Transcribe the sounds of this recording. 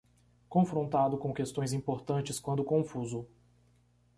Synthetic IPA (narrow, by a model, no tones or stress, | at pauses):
kõfɾõnt̪ad̪ʊkõw̃kest̪õj̃zĩpoɾt̪ɐ̃nt͡ʃɪskwɐ̃nd̪ʊkõfuzʊ